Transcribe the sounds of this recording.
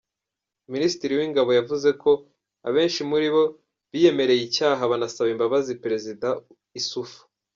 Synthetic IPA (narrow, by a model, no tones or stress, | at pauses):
minisi̥tiɾiwiŋɡaβo̞javuze̞ko̞ | a̰βe̞ːnʃimuɾiβo̞ | βije̞me̞ɾe̞jicaːɦaβanasaβimbaβazipeɾe̞zida | isufu̥